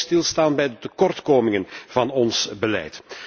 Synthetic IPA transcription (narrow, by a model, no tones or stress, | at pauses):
stɪlˠstaːnbɛjdətəkɔrtkoːmɪŋənv̥ɑnɔnsbəlɛ̰jt